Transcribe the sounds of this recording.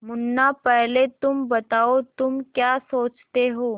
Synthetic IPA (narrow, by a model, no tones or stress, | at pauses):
munːapɛɦlet̪umbət̪aot̪umkjasot͡st̪eɦo